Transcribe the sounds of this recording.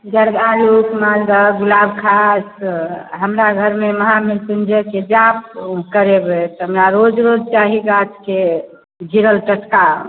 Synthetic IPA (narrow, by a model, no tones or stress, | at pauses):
ɡəɾbalukmald̪əɡulabkʰasɦəmɾaɡʱəɾmeməɦamilsənd͡ʒəked͡ʒap̚kəɾebet̪ɦəmɾaɾod͡ʒɾod͡ʒt͡ʃaɦiɡat̪ke | d͡ʒʱiɾəlʈəʈka